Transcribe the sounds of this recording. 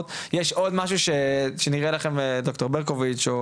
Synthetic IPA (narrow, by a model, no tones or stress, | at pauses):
tjeʃʔo̞dmaʃ̬uʃeʃeniʁelaχe̞mdokto̞ʁbeʁkovit͡ʃo